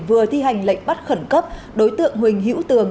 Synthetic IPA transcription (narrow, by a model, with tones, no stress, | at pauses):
vɨ˨˩ət̪ʰi˧ɦa˨˩jŋ̟lə̰˧˨jŋ̟ɓa˦˥t̚xə˧˩nkə˦˥p̚ | ɗo˨˦jt̪ɨ̰˧˨əŋɦwï˨˩ŋ̟ɦḭ˧˥wt̪ɨ˨˩əŋ